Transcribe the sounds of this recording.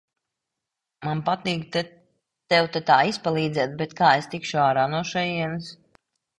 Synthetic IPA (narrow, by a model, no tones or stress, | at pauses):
manpat̪iːkt̪ | t̪ɛwt̪ɛt̪aːispalˠiːd̪zʲɛːt̪̚bɛt̪kaːest̪ikʃuaːɾaːnuɔʃɛjiɛnɨs